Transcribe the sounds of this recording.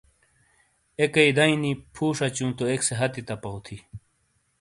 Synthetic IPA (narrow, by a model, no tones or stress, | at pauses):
ekɐid̪ɐĩnipʰuːʂat͡ɕũːnt̪oekseɦɐt̪it̪ɐpɐwt̪ʰi